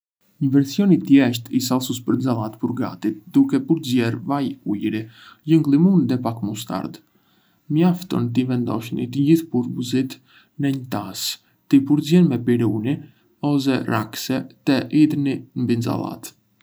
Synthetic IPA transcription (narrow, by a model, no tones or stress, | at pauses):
ɲəvɛɾsijɔnit̪jɛʃt̪isalˠsuspəɾnd͡zalˠat̪puɾɡa̰t̪it̪̚d̪ukɛpuɾzɛɾvajujɾijəŋɡlˠimund̪ɛpakmust̪a̰ɾd̪ | məjaft̪ɔ̰nt̪̬ivɛnd̪ɔ̰ʃnḭt̪əɟiθpuɾbuzit̪ | nɛɲt̪as | t̪ipuɾzɛnmɛpiɾuni | ɔs̬ɛra̰ksɛt̪ɛʔid̪ninmbind͡za̰lˠa̰t̪